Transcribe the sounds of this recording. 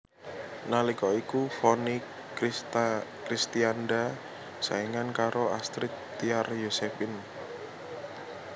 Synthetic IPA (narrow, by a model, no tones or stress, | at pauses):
nalikɔikufɔnik | kɾist̪ianda | sa̰iŋankaɾoast̪ɾit̪ː | iarjosefin